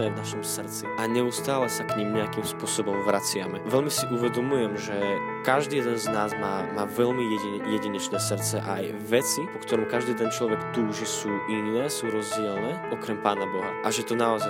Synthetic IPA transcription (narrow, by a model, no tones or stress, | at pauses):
ɛvnaʃɔmsr̩t̪t͡siʔaɲɛust̪aːlɛsakɲimɲɛakimspʊɔsɔbɔmʋɾat͡sɪamɛʋɛʎmisiʔuʋɛd̪ɔmujɛmʒɛ | kaʒd̪iːjɛd̪ɛnznaːzmaːmaːʋɛʎmiɛjɛɟiɲɛt͡ʃnɛːsr̩t̪t͡sɛʔaj | ʋɛt͡sipɔkt̪ɔɾɔmkaʒd̪ijɛd̪ɛnt͡ʃlɔʋɛkt̪uːʒisuːʔinːɛːsuːɾɔzɟɛɛlnɛːʔɔkɾɛmpaːnabɔɦaʔaʒɛt̪ɔnaɔza